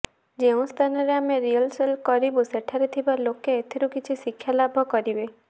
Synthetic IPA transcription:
d͡ʒeũst̪ʰanɔɾeameɾiəlselkɔɾibuseʈʰaɾet̪ʰibalokeːt̪ʰeɾukit͡ʃʰisikʰːjalabʱɔkɔɾibe

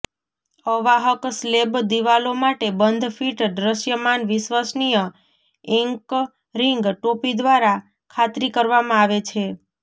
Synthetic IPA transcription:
əʋaɦəkslebd̪iʋalomaʈebənd̪ʱfiʈɖɾəʃjəmanʋɪʃʋasnijə | ɛŋk | ɾiŋɡʈopid̪ʋaɾa | kʰat̪ɾikəɾʋamãaʋet͡ʃʰe

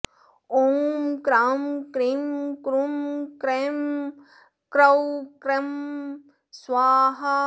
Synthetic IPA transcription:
omkɾamkɾimkɾumkɾem | kɾɐwkɾem | sʋaːɦɐ

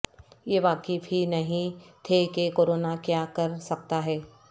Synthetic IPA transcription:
jeʋaːkefɦinɐɦĩt̪ʰekekoːɾoːnakjaːkɐɾsɐk̚t̪aɦɛː

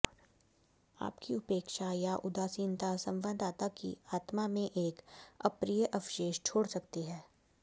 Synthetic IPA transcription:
a̰ːpkiʊpeːkʃajaʔʊd̪aːsiːnt̪asɐ̃mʋənd̪ʱaːt̪akḭaːt̪mamẽʔeːkɐpɾijəʔɐʋʃeːʃt͡ʃʰoːɽsɐk̚t̪iɦɛː

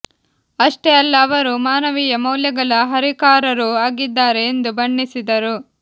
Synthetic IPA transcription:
ɐʂʈeɐlːɐːʋɐɾumaːnɐʋijɐmɐwljɐɡɐɭɐɦɐɾikaːɾɐɾuaːɡid̪ːaːɾe̞ːnd̪ubɐɳːisid̪ɐɾu

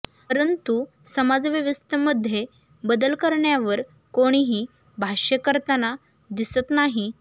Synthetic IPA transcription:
əɾənt̪u | səmad͡zʋəʋəst̪ʰəməd̪ʱːje | bəd̪əlkəɾɳjaʋəɾ | koɽ̃iɦiː | bʱaɕəkəɾt̪əna | d̪isət̪naɦi

